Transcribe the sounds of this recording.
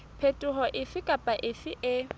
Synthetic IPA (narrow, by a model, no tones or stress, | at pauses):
pʰetʼʊɦɔʔɪfɪkʼapʼaʔɪfɪʔɪ